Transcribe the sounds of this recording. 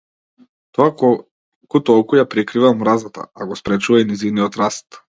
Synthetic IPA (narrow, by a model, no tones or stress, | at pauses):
t̪ɔa | kut̪ɔlˠkujapɾɛkɾivamɾazat̪a̰aɡɔspɾɛt͡ʃuvainizivniɔt̪ɾast̪